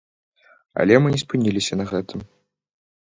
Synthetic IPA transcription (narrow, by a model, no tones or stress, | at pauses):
ɐ̰lʲɛmɨnʲɛspɨnʲilʲisʲɐnɐɣɛt̪ɨm